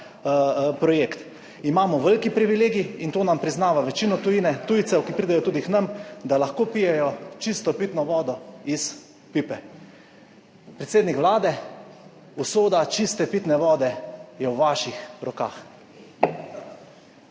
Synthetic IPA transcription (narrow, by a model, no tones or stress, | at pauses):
pɾɔjeːkt̪ | imaːmɔʋəlkipɾiʋileːɡiint̪oːnampɾiznaːʋaʋɛt͡ʃinɔt̪ujiːnɛt̪ujt̪sɛwkipɾid̪ajɔt̪uːd̪iknamd̪alaxkoːpijɛjɔt͡ʃist̪ɔpit̪nɔʋɔːd̪ɔis | pipɛ | pɾɛt̪seːd̪nikʋlaːd̪ɛ | usoːd̪at͡ʃist̪ɛpit̪nɛʋɔːd̪ɛjɛwʋaːʃixɾɔka̰ːx